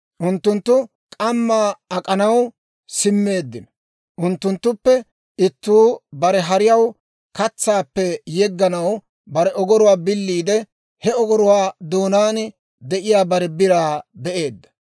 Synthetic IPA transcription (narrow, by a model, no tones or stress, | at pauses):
ʔʊnt̪ːʊnt̪ːʊ | kʼɐmːaːɐkʼɐnɐw | sɪmːe̞ːd̪ːɪnɔ | ʔʊnt̪ːʊnt̪ːʊpːɛ | ɪt̪ːuːbɐɾɛɦɐɾɪjɐw | kɐt͡sːaːpːɛjɛɡːɐnɐw | bɐɾɛɔɡɔɾʊwaːbɪlːiːd̪ɛ | hɛɔɡɔɾʊwaːd̪oːnaːn | d̪ɛʔɪjaːbɐɾɛbɪɾaːbɛʔe̞ːd̪ːɐ̥